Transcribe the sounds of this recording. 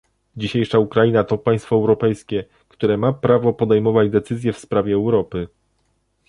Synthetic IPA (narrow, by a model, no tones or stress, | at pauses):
d͡ʑiɕejʂaukɾajinat̪ɔpaj̃st̪fɔɛwɾɔpɛjskʲɛ | kt̪uɾɛmapɾavɔpɔd̪ɛjmɔvad͡ʑd̪ɛt̪sɘzʲjɛfspɾavʲjɛːwɾɔpɘ